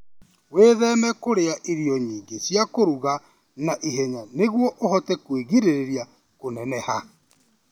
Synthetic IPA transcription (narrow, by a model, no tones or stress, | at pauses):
weːðɛmɛkoɾeaʔiɾiɔɲiːɡesjakoɾuɣa | naʔiɦɛɲaneɣwɔʔohɔtɛkweɣiɾeɾeɾja | konɛnɛha